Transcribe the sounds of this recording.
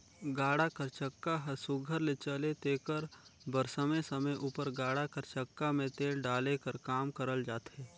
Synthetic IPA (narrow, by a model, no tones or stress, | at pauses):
ɡaːɽakəɾt͡ʃəkːaɦɐsʊɡʱəɾlet͡ʃəlet̪eːkəɾbəɾsəmesəməjʔuːpəɾɡaːɽakəɾt͡ʃəkːamẽt̪eːlɖaːlekəɾkaːmkəɾəld͡ʒaːt̪ɦɛː